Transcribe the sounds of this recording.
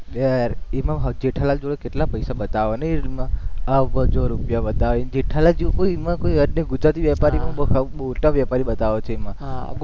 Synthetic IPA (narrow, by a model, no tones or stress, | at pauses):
bɛɾemãɦəd͡ʒeʈʰalald͡ʒoɭekeʈlapəjsabət̪aʋonemãaʋəd͡ʒoɾupjabət̪aʋend͡ʒeʈʰalald͡ʒeũkoimãkoiəɖnəɡʊd͡ʒɾat̪iʋjapaɾimãbkboʈaʋjapaɾibət̪aʋot͡ʃʰeemã